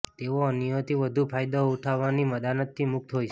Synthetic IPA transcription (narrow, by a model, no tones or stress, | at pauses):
t̪eʋoənijot̪ʰiʋəd̪ʱupʰajd̪ouʈʰaʋːaniməd̪anət̪ːimʊk̚t̪ɦojt͡ʃʰ